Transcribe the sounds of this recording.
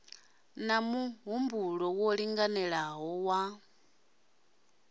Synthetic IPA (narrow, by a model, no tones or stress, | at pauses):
namuɦumbuɺɔwɔɺiŋɡanɛɺaɦɔwa